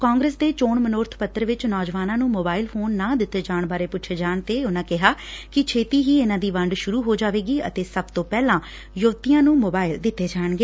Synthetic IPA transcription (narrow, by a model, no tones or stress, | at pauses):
kaːŋɡɾeːsd̪eːt͡ʃoːɳmənʊːɾt̪ʰpət̪ːəɾʋɪt͡ʃnɔːd͡ʒʋaːnãːnũːmoːbaːɪlpʰoːnːãːd̪ɪt̪ːeːd͡ʒaːɳbaːɾeːpʊt͡ʃʰeːd͡ʒaːɳt̪eːʊnãːkɪɦaːkɪt͡ʃʰeːt̪iːɦiːɪnãːd̪iːʋəɳɖʃʊɾuːɦoːd͡ʒaːʋeːɡiːə̰t̪eːsəbt̪õːpɛːlãː | joʋt̪ɪjãːnũːmoːbaːɪld̪ɪt̪ːeːd͡ʒaːɳɡeː